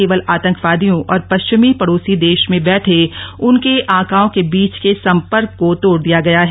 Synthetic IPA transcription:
eːʋəlaːt̪ə̃ŋkʰʋaːd̪ijõʔɔːɾpɐʃt͡ʃɪmipɐɽoːsid̪eːʃmẽbɛːʈʰeʊnkeʔãːkaːõkebiːt͡ʃkesɐ̃mpəɾkːot̪oːɽd̪ijaɡɐjaɦ

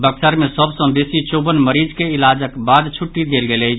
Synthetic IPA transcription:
bəksəɾmesəbsə̃besit͡ʃobənməɾid͡ʒkeilad͡ʒəkbad̪t͡ʃʰuʈːid̪elɡelə

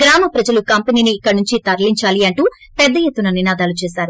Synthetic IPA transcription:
ɡɾaːmɐpɾɐd͡ʒɐlukɐmpeniːniːkːɐɾnuɲt͡ʃit̪ɐɾliɲt͡ʃaːliɐɳʈu | pɛd̪ːɐjet̪ːunɐninaːd̪aːlut͡ʃɛːsaːɾu

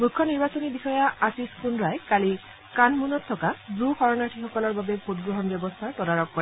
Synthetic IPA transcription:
mukʰːjɔniɹbat͡ʃɔnibixɔjaʔatiskunɹajkali | kanmunɔt̪ʰːɔkabɹukʰɔɹɔnaɹʈʰixɔkɔlɔɹbabepʰut̪ɡɹɔɦɔnbjɔbɔst̪ʰat̪ɔdaɹɔkːɔɾɛ

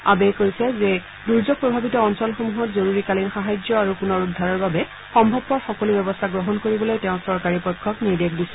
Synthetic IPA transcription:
abɛkoɹisɛzɛ | duɹzɔɡ̚pɹɔbʱabitɔːnsɔlxomuɦɔtzoɹuɹikalinxaɦajzɔaɹukʊnɔɹudʱːaɹɔɹbabɛ | xɔmbʱɔb̚pɔɹxɔkɔlubɛbɔstʰaɡɹɔɦɔnkoɹibɔlojtɛ̃ʊ̃sɔɹkaɹipɔjkʰːɔkniɹdekdisɛ̥

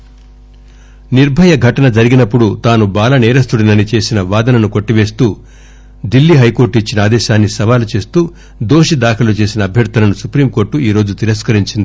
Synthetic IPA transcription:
niɾbʱɐjɐɡʱɐʈɐnɐd͡ʒɐɾiɡinɐpːuɽut̪aːnubaːlɐnɛːɾɐst̪uɽinɐnit͡ʃe̞ːsinɐʋaːd̪ɐnɐnuko̞ʈːiʋe̞ːst̪uː | d̪ilːiɦɐjko̞ːɾʈit͡ʃːinɐaːd̪ɛːʃaːnːisɐʋaːlut͡ʃe̞ːst̪uː | d̪o̞ːʂid̪aːkʰɐlut͡ʃe̞ːsinɐːbʱjɐɾt̪ɐnɐnusupɾiːmko̞ːɾʈːuiːɾo̞ːd͡ʒut̪iɾɐskɐɾiɲt͡ʃind̪i

